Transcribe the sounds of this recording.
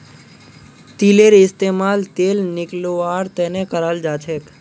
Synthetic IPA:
t̪ileɾɪst̪emaːlt̪eːlnɪkloaɾt̪ɛnekəɾald͡ʒat͡ʃʰek

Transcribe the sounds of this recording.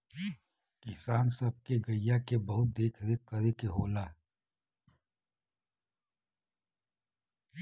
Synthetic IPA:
kɪsaːnsɐb̚keɡɐjjakebɐɦʊt̪̚d̪eːkʰɾekɐɾekeɦoːlaː

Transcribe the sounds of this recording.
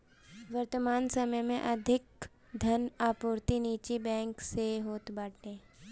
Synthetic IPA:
ʋəɾt̪əmaːnsəməjmẽʔɐd̪ʱɪk | d̪ʱɐnaːpuːɾt̪iniːt͡ʃibɛ̃ːŋkseɦoːt̪baːʈẽː

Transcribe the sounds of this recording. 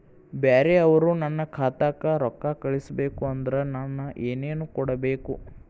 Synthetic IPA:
beːɾeɐʋɐɾunɐnːɐkʰaːt̪aːkɐɾɔkːakɐɭisɐbe̞ːkuɐnd̪ɐɾenɐnːɐʔeːneːnukɔɽɐbe̞ːku

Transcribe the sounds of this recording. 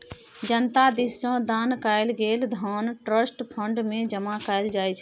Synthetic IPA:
d͡ʒənt̪ad̪issõd̪aːnkaɪlɡeːld̪ʱɔːnʈɾəsʈpʰəɳɖmẽd͡ʒəmakaɪld͡ʒaːt͡ʃʰɛ

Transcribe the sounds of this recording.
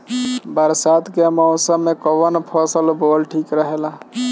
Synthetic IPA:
bəɾsat̪ʰkemɔʊsəmːekɔʋənpʰɔsəlbolʈʰikɾəɦela

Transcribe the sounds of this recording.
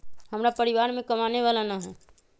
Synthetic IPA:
həmɾapəɾiʋaːɾmẽkəmaneʋalanaɦɛ

